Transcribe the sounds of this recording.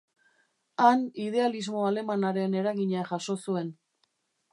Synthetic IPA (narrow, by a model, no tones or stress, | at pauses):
anið̞e̞alizmo̞ale̞manaɾe̞ne̞ɾaɣiɲaʝaʃo̞sue̞n